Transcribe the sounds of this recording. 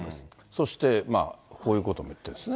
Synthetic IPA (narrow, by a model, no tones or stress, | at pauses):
as | so̞ɕi̥t̪e̞ma̰kʰo̞ːjɯ̟ːko̞t̪o̞mojɯ̥t̪ːed̪esɨne